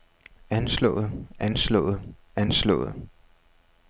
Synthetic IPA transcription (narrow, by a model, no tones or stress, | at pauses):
ænslɔ̰̽ːð̩ˠænslɔ̰̽ːð̩ˠ | ænslɔ̰̽ːð̩ˠ